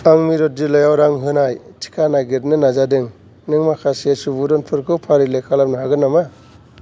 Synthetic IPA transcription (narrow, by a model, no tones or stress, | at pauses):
aŋmiɾɔt̚dilɔjawɾaŋɦɯnajtʰi̥kʰanaɡiɾnɯnazadɯŋ | nɯŋmakʰasesubudɔnpʰɯɾkʰɯpʰaɾilekʰalap̚nɯɦaɡɯnːama